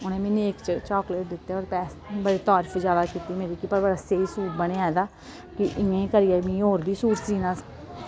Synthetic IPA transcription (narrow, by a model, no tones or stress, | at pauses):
ʊnẽːmeːnːeːkt͡ʃt͡ʃɔːkleʈ̚d̪ɪt̪ːeoːɾpɛːsbəɽeːt̪ɔːɾfʰd͡ʒaːd̪aːkiːt̪iːmeːɾiːkiːpəɾbəɾaːseːisuːʈbəneːɛːd̪aː | kɪʔɪẽːkəɾiːɛːmĩːoːɾbiːsuːɾsiːnaː